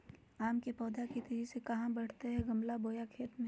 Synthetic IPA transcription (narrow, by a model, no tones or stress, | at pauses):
aːmkepɔːd̪akit̪id͡ʒisekɐɦãbɐɽ̤t̪eɦɛɡɐmlaboːjakʰeːt̪mẽ